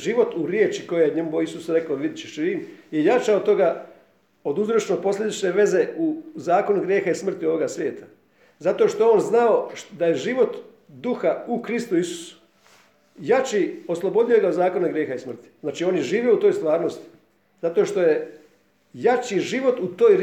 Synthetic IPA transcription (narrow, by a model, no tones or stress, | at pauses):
ʒiʋo̞t̪uɾjeːt͡ʃiko̞jejeɲemuboisusɾe̞kaoʋid̪it͡ʃeʃiɾiːmje̞jat͡ʃaot̪ːo̞ɡa | o̞d̪uzɾot͡ʃnopo̞slʎʲe̞d̪it͡ʃne̞ʋe̞ze̞uzaːko̞nuɡɾjeːxaismr̩t̪io̞ʋo̞ɡasʋje̞ːt̪a | zat̪o̞ʃt̪oeo̞ːnznao̞d̪aje̞ʒiʋo̞t̪ | d̪uxaukɾist̪uisu̥su̥ | jat͡ʃiːo̞slˠo̞bo̞d̪ijoɡauzaːko̞naɡɾje̞ːxaismr̩t̪i̥znaːt͡ʃiːo̞ːnjeʒiːʋjeout̪o̞jst̪ʋaːɾno̞st̪i̥ | zat̪oʃt̪o̞je̞ | jat͡ʃiʒiʋo̞t̪ut̪o̞ːj